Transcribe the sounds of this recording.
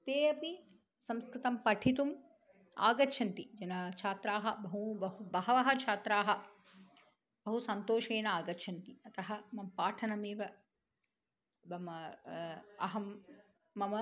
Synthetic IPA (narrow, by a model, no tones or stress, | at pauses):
t̪eːɐpi | sɐmskɾɪt̪ɐmpɐʈʰit̪um | a̰ːɡɐtːt͡ʃʰɐnt̪id͡ʒɐnɐt͡ʃʰaːt̪ɾaːɦɐ̆bɐɦubɐubɐɦɐʋɐɦɐt͡ʃʰaːt̪ɾaːɦɐ̆ | b̥ɐɦusɐnt̪oːʃeːnɐaːɡɐtːt͡ʃʰɐnt̪iɐt̪ɐɦɐmɐmpaːʈʰɐnɐmeːʋɐ | bɐmɐ | ɐɦɐmː | ɐmɐ